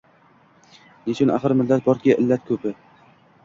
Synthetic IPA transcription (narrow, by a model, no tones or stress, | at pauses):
net͡ʃʰʊnʔa̰χɨɾmɪlːat̪̚bɒɾkʲaʔɪlːat̪kʰɵpɪ